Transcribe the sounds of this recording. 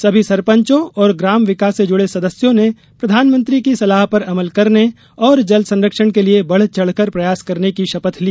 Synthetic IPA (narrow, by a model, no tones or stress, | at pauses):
sɐbʱisɐɾpə̃ɲt͡ʃõɔːɾɡɾaːmʋɪkaːsːed͡ʒʊɽesɐd̪əsjõne | pɾɐd̪ʱaːnmə̃nt̪ɾikisɐlaːɦpɐɾɐməlkɐɾne | ɔːɾd͡ʒɐlsɐ̃nɾəkʃəɽ̃keliebɐɽ̤t͡ʃɐɽ̤kəɾpɾɐjaːskɐɾnekiʃɐpət̪ʰliː